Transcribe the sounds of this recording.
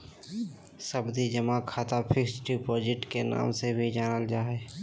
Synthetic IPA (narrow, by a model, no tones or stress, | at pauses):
səbd̪id͡ʒəmakʰaːt̪apʰɪksʈipɔːd͡ʒɪʈkena̰ːmsebʱid͡ʒaːnəld͡ʒaːɦɛ